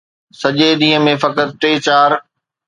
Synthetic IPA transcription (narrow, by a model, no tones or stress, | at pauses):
sɐʄeɗ̪ĩːɦə̃mẽfɐkət̪̚ʈeːt͡ɕaːɾ